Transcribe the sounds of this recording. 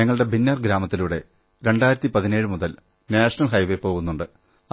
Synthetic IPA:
ɐŋːɐɭɨɽe̞binːɐrɡɾaːmɐt̪ːiluɽe̞ | ɾe̞ɳɖaːjɾɐt̪ːipɐðine̞ːɻɨmuðɐl | naːʂɐnɐlɦɐjʋepːo̞ːɣunːuɳɖɨ

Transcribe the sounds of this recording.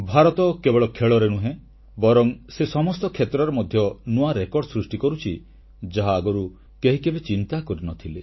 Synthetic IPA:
bʱaɾɔt̪ɔkebɔɭɔkʰeɭɔɾenuɦẽ | bɔɾɔŋsesɔmɔst̪ɔkʰet̪ɾɔɾemɔd̪ʱjɔnuaɾekɔɾɖɔsɾusʈikɔɾut͡ʃʰi | d͡ʒaɦaːɡɔɾu | keɦikebet͡ʃint̪akɔɾinɔt̪ʰile

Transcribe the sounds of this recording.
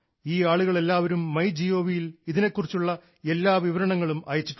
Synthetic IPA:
iːaːɭuɣɐɭe̞lːaːʋɐɾumːɐjd͡ʑijo̞ːʋijiliðine̞kːurit͡ɕːuɭːɐ | e̞lːaːʋiʋɐɾɐɳɐŋːɐɭumɐ̰jɐt͡ɕːiʈː

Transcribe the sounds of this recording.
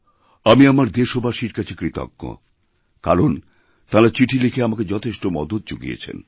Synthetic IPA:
amiamaɾd̪eʃobaʃiɾkat͡ɕʰekɾit̪o̰ɡːo̰ | kaɾon | t̪aɾat͡ɕiʈʰilekʰeamaked͡ʑɔt̪ʰeʃʈomɔd̪ot̪̚d͡ʑoɡḭḛt͡ɕʰḛn

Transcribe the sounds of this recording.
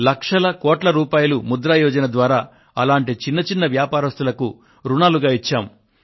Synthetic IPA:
lɐkʂɐlɐkɔːʈlɐɾuːpaːjɐlumud̪ɾaːjɔːd͡ʒɐnɐd̪ʋaːɾaː | ɐlaːɳʈit͡ʃinːɐt͡ʃinːɐʋjaːpaːɾɐst̪ulɐku | ɾunaːluɡaːit͡ʃːaːm

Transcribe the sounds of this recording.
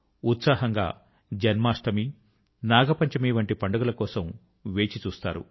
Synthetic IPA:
ut̪saːɦɐŋɡa̰ː | d͡ʒɐnmaːʂʈɐmi | naːɡɐpɐɲt͡ʃɐmiːʋɐɳʈipɐɳɖɐɡulɐkɔːsɐm | ʋe̞ːt͡ʃit͡ʃuːst̪a̰ːɾṵ

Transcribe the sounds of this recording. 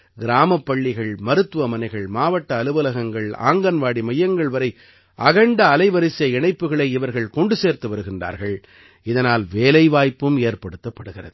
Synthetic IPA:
ɡɪɾaːmɐpːɐɭːɪɣɐɭmɐɾɯt̪ːɯʋɐmɐnɐɪɣɐɭmaːʋɐʈːɐːlɯʋɐlɐɣɐŋɡɐɭa̰ːŋɡɐnʋaːɽimɐjːɐŋɡɐɭʋɐɾɐɪ | ʔɐɣɐɳɖɐːlɐɪʋɐɾɪsjɐɪɳɐɪpːɯɣɐɭɐɪɪʋɐɾɣɐɭkɔɳɖɯseːɾt̪ɯʋɐɾɯɣɪndra̰ːɾɣɐɭ | ɪðɐnaːlʋeːlɐɪʋaːjpːɯmeːɾpɐɽɯt̪ːɐpːɐɽɯɣɪrɐðɯ

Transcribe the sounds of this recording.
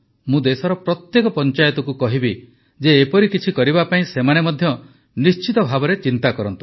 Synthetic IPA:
mũd̪esɔɾɔpɾɔt̪jekɔpɔnt͡ʃajɔt̪ɔkukɔɦibi | d͡ʒeːpɔɾikit͡ʃʰikɔɾibapaĩsemanemɔd̪ʱjɔ | nist͡ʃit̪ɔbʱabɔɾet͡ʃint̪akɔɾɔnt̪u̥

